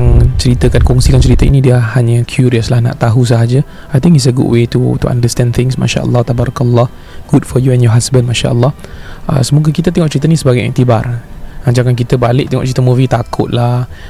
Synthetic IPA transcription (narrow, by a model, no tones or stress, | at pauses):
jaŋt͡ʃəɾit̪əkankɔŋsikant͡ʃəɾit̪əḭnidiəhaɲəkʰjuɾiəslahna̰ʔt̪aɦus̬əɦad͡ʒə | ajt̪ɪ̃ŋitsəɡṵdwet̪ṵt̪ṵã̰ndəst̪ɛ̃nt̪ɪ̃ŋsma̰ʃa̰ʔə̰lːɔt̪abaɾakəlːɔh | ɡ̥udfɔjuɛnjɔɦasbə̃nmãʃa̰ʔə̰lːɔhə̰səmuɡəkit̪ət̪ɛŋɔʔt͡ʃəɾit̪ənisəbaɡaja̰ŋt̪ibarad͡ʒaŋank̬it̪əbalɪʔ̚t̪ɛŋɔ̰ʔt͡ʃəɾit̪əmũvit̪akʰʊ̰t̪̚lah